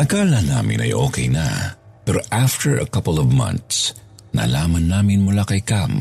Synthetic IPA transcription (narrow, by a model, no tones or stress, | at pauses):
ʔɐkaːlɐnaːmɪ̰nɐ̰jʔoːkɛjnɐ̰ | pɛɾoʔaft̪ɛɹɐ̰kɐpəlɔvmɐ̰̃nt̪s | na̰laːmɐnːaːmɪnmʊlakɐjkam